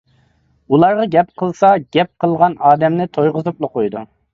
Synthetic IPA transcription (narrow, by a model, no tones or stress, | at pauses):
ulˠɑɾʁɑɡʲɛpqʰəlˠsɑɡʲɛp̚qʰəlˠʁɑnɑːd̪ɛmnɪt̪ʰojʁəzuplˠəqojd̪u